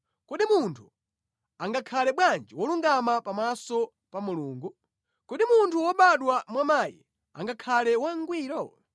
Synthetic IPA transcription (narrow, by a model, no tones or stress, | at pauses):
kuɗimuntʰu | aŋɡakʰalɛɓwand͡ʒiwɔluŋɡamapamasɔ | pamuluːŋɡu | kuɗimuntʰuwɔɓaɗwamwamaːjḭ | a̰ŋɡakʰalɛwaŋɡwiːɾɔ